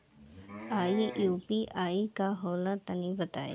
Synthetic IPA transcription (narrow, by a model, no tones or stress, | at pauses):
aːijuːpiʔaːikaɦoːlãt̪ɐnibɐt̪aːḛ